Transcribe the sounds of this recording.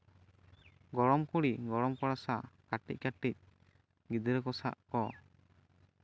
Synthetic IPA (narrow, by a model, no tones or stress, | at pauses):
ɡɔɽɔmkuɽiɡɔɽɔmkɔɽasakaʈːic̚kaʈːic̚ | ɡid̪ɛɾɛkɔsa̰ʔkɔ